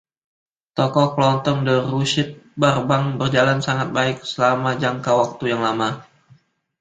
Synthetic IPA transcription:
t̪ɔkɔklɔnt̪ɔŋdərusɪt̪̚barbaŋbərd͡ʒalansaŋat̪̚baɪk̚səlamad͡ʒaŋkawak̚t̪ujaŋlama

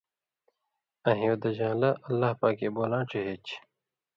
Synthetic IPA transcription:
ɐ̃ɦĩod̪ɐd͡ʑãːlɐʔɐlːahpaːkeːboːlãːʈ͡ʂʰeɦet͡ɕ

